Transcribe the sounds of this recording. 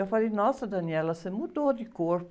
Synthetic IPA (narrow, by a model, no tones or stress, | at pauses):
ewfalejnɔsɐd̪ɐniɛlɐsemud̪od̪ɪkoɾp